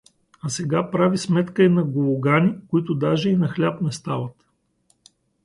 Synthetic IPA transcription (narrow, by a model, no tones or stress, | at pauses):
ɐsɛɡapɾavismɛt̪kəinɐɡovoɡanikoit̪ʊd̪aʒɛinɐxlʲapnɛst̪avɐt̪